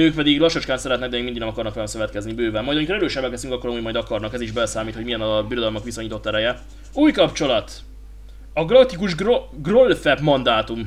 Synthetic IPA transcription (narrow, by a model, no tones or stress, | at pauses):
øːk̚pɛd̪iɡlɒʃot͡ʃkaːnsɛɾɛt̪nɛɡd̪ɛmeɡmind̪iɡnɛmɒkɒrnɒkʋɛlɛmsøvɛt̪kɛznibøːvɛlmɒjd̪ɒmikoɾɛɾøːʃɛbːɛkɛst̪yŋkɒkːoɾɒmuɟmɒjd̪ɒkɒrnɒkɛziʒbɛlɛsaːmiːt̪ho̞ɟijɛnɒbiɾo̞d̪ɒlmɒkʋisoɲiːt̪o̞t̪ːɛɾɛjɛ | uːjkɒpt͡ʃo̞lɒt̪ | ɒɡlɒt̪ːikuʒɡrolfɛpmɒnd̪aːt̪um